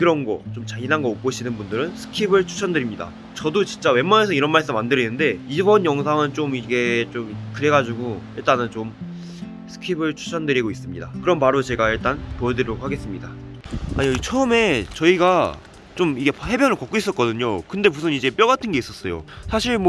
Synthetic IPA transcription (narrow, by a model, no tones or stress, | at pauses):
kɯɾʌnɡʌ̰t͡ɕ͈omt͡ɕainɦanɡʌok͈oɕʰinɯnbundɯɾɯnsʰɯ̥kʰibɯɭt͡ɕʰu̥t͡ɕʰʌndɯɾimɲida̰ | t͡ɕʌdot͡ɕint͡ɕ͈awe̞mːane̞sʰʌiɾʌnmaɭs͈ɯmːandɯɾinːɯnde̞ibʌnjʌŋsʰaŋɯnt͡ɕomiɡe̞t͡ɕomkɯɾe̞ɡad͡ʑuɡoiɭt͈anɯnt͡ɕom | sʰɯ̥kʰibɯɭt͡ɕʰu̥t͡ɕʰʌndɯɾiɡois͈ɯmɲida̰kɯɾʌnpaɾot͡ɕe̞ɡaiɭt͈anpojʌdɯɾiɾʌɡohʰaɡe̞s͈ɯmɲidaa̰ɲiʌit͡ɕʰʌːme̞t͡ɕʌiɡa | t͡ɕomiɡe̞he̞bjʌnɯɭkʌk͈ois͈ʌt̚k͈ʌdɯɲokɯnde̞musʰɯnid͡ʑe̞p͈jʌɡatʰɯnɡeis͈ʌs͈ʌjo̰sʰaɕʰiɭm